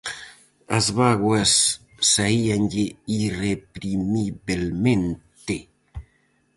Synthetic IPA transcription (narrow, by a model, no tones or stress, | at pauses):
a̰zβaɣwasː | aianʎeirepɾimiβelmẽnt̪e